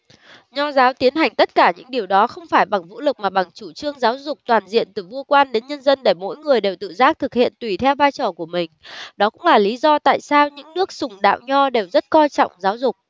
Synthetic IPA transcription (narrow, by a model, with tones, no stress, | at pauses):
ɲɔ˧zaː˨˦wt̪i˨˦ənɦa˨˩jŋ̟t̪ə˦˥t̚kaː˧˩ɲɨ̰˧˥ŋɗi˨˩əwɗɔ˨˦xə˧wŋ͡mfaː˧˩jɓa˨˩ŋvṵ˧˥lɨ˨˩k̚maː˨˩ɓa˨˩ŋt͡ɕu˧˩t͡ɕɨ˧əŋzaː˨˦wzʊ˨˩k͡p̚t̪waː˨˩nzḭ˧˨ənt̪ɨ˨˩vu˧əkwaː˧nɗe˨˦nɲə˧nzə˧nɗe˧˩jmo̰˧˥jŋɨ˨˩əjɗe˨˩wt̪ɨ̰˧˨zaː˦˥k̚t̪ʰɨ˨˩k̚hḭ˧˨ənt̪wi˨˩t̪ʰɛ˧wvaː˧jt͡ɕɔː˨˩ku˧˩əmï˨˩ŋ̟ɗɔ˨˦kʊ̰˧˥ŋ͡mlaː˨˩li˨˦zɔ˧t̪a̰ː˧˨jsaː˧wɲɨ̰˧˥ŋnɨ˦˥ək̚sʊ˨˩ŋ͡mɗa̰ː˧˨wɲɔ˧ɗe˨˩wzə˦˥t̚kɔ˧jt͡ɕɔ̰˧˨wŋ͡mzaː˨˦wzʊ˨˩k͡p̚